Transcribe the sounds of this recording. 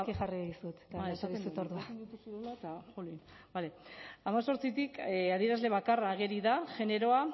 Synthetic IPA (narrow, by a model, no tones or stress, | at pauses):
kixariðisut̪et̪aesaðisut̪oɾðuad̪ut̪usuðulat̪axolin | bale̞amaso̞ɾt͡sit̪ikaðieɾazle̞β̞akaraːɣ̞e̞ɾiðaʝe̞ne̞ɾo̞a